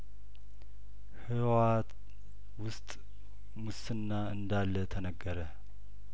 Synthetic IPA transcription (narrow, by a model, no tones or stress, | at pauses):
hɨwat̪ | wʊst̪ʼ | musɨnːaɨnd̪alːət̪ʰənəɡːəɾə